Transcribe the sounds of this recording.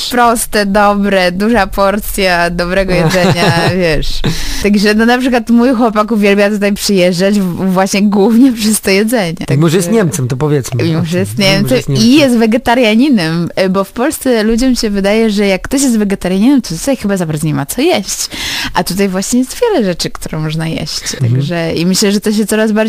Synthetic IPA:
pɾɔst̪ɛd̪ɔbɾɛd̪uʐapɔɾt̪sʲjad̪ɔbɾɛɡɔjɛzɛɲavʲjɛʂt̪aɡʐɛnɔnapʂɨkwat̪mujxwɔpakuvʲjɛlbʲjat̪ut̪ajpʂɨjɛʐdad͡ʑvwaɕɲɛɡwuvɲɛpʂɛst̪ɔjɛd̪zɛɲɛ̰t̪aimɔʐɛjɛst̪ɲɛmt̪sɛmt̪ɔpɔvʲjɛt̪smmʲimɔʐɛjɛst̪ɲɛmt̪sɛmsijɛs̬t̪vɛɡɛt̪aɾjaɲinɛmbɔfpɔlst̪sɛlud͡ʑɔmʲiɕɛvɘd̪ajɛʐɛjakːt̪ɔɕ̬jɛs̬t̪vɛɡɛt̪aɾjaɲinɛmt̪ɔt̪u̥t̪ajxɘbazabaɾd̪zɔɲɛmat̪sɔjɛɕt͡ɕʔat̪ut̪ajvwaɕɲɛjɛst̪vʲjɛlɛʐɛt͡ʂɘkt̪uɾɔ̃mɔʐnajɛ̰ɕt͡ɕt̪aɡʐɛimɘɕlɛʐɛt̪ɔɕ̬ɛt̪sɔɾazbaɾd͡ʑ

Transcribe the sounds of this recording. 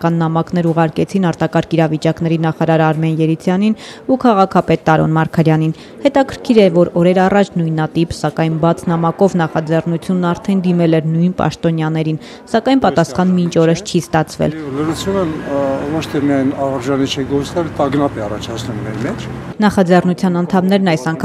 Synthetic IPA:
kɑnːɑmɑkn̪ɛɾuʁɑɾkɛt͡sʰinɑɾt̪ɑkɑɾkiɾɑvit͡ʃɑknɛɾinɑχɑɾɑɾɑɾmɛnjɛɾit͡sʰjɑnin | ukʰɑʁɑkʰɑpɛt̪ːɑɾɔ̰nmɑɾkʰɑɾjɑnin | hɛt̪ɑkʰəɾkʰiɾɛvɔɾɔɾɛɾɑrɑt͡ʃʰnujnɑt̪ipsɑkɑjnbɑt͡sʰnɑmɑkɔvnɑχɑd͡zɛrnut͡sʰjunːɑɾt̪ʰɛnd̪imɛlɛɾnujnpɑ̰ʃt̪ɔnjɑnɛɾin | sɑkɑjnpɑt̪ɑsχɑnmint͡ʃʰɔɾəst͡ʃʰist̪ɑt͡sʰvɛ̰lləɾut͡sʰjunəvɔt͡ʃʰt̪ʰɛmijɑjnɑɾʒɑnit͡ʃʰɛɡɔt͡snɛlət̪ɑɡnɑpɛɑrɑt͡ʃʰɑt͡sʰnumːɛɾmɛt͡ʃʰ | nɑχɑd͡zɛrnut͡sʰjɑnɑnt̪ʰɑmnɛɾnɑjsɑŋkʰ

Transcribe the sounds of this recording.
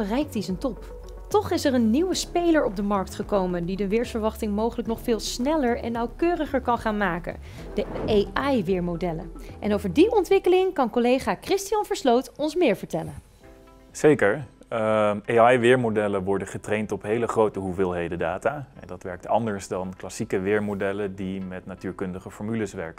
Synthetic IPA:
ərɛjk̚tizəntɔp | tɔχɪsɛɹənːiwəspejləɹɔb̚dəmɑɹk̚tχəkowməndidəʋɪːɹsfəɹʋɑχtɪŋmowχələknɔχfɪːlˠsnɛləɹɛ̰nːɑwkøːrəχəɹkɑnχaːnmaːkə̰n | dəʔeɑjʋɪːɹmodɛlə̰ʔɛnowvəɹdiʔɔntʋɪkəlɪŋkɑnkɔlejχaːkrɪstijɑnvəɹslowtɔnsmɪːɹvəɹtɛlən | z̥ejkəɹ | eɑjʋɪːɹmodɛləʋɔɹdənχətrejntɔpɦejləχrowtəɦuvɪːlˠɦejdədaːtaːɛ̰ndɑtʋɛɹk̚tʰɑ̰ndəɹsdɑnklɑsikəʋɪːɹmodɛlədimɛtnatyːɹkɵndəχəfɔɹmyləsʋɛ̰ɹkə

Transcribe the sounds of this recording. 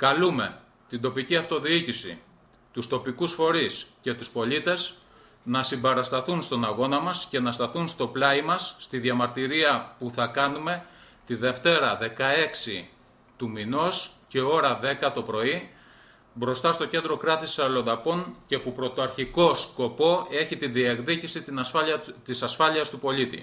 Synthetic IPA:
kɐlume̞̰ | t̪ind̪o̞piciɐft̪o̞ðiicisḭ | t̪ust̪o̞pikusfo̞ɾisce̞t̪uspo̞ʎit̪e̞z | nɐsimbeɾɐst̪ɐθunst̪o̞nɐɣo̞nɐmɐsce̞nɐst̪ɐθunst̪o̞plɐimɐsːt̪iðʝɐmɐɾt̪iɾiɐpuθɐkɐnume̞ | t̪iðe̞ft̪e̞ɾɐðe̞kɐe̞ksi | t̪umino̞sce̞o̞ɾɐðe̞kɐt̪o̞pɾo̞i | bɾo̞st̪ɐst̪o̞ce̞nd̪ɾo̞kɾɐt̪isɐlond̪ɐpo̞ŋce̞pupɾo̞t̪o̞ɐɾçiko̞sko̞po̞e̞çit̪inðiekðicisinɐɐt̪isɐsfɐʎiɐst̪upo̞lit̪ḭ

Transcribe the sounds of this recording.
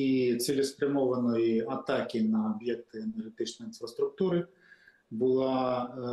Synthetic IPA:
it̪sʲɛlʲɛsp̪ɾɨmɔvɐnɔjat̪akʲinɐːbjɛk̚t̪ɨɛnɛrɦɛt̪ɨt͡ʂnɐjinfɾɐst̪ɾuk̚t̪uɾɨ | bɨlˠa

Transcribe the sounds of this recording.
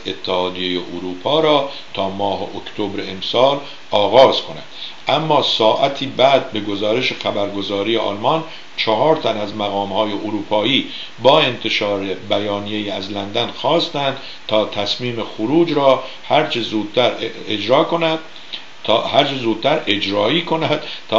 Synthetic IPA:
et̪ʰːehɒːd̪ijejeʔoɾuːpʰɒːɾɒː | t̪ʰɒːmɒːɦeʔokt̪ʰobɾeemsɒːl | ɒːɣɒːz̥kʰo̞næ̰nd̪̥ʔæmːɒːsɒːʔæt̪ʰiːbæd̪̚be̞ɡo̞zɒːɾeʃexæbæɾɡo̞zɒːɾijeʔɒ̰lmɒn | t͡ʃʰɑɦɒːɾt̪ʰænæzmæɣɒːmhɒːjeʔoɾuːpʰɒːiː | bɒːe̞nt̪ʰe̞ʃɒːɾebæjɒːnije̞jiːæzlænd̪ænxɒːst̪ænd̪̥ | t̪ʰɒːt̪ʰæsmiːmexoɾuːd͡ʒɾɒː | hæɾt͡ʃʰezuːd̪̥̚t̪ʰæɾ | ed͡ʒɾɒːkonæd̪̥ | hæɾt͡ʃʰezuːd̪̚t̪æɾed͡ʒɾɒːiːkʰo̞næd̪̥t̪ʰː

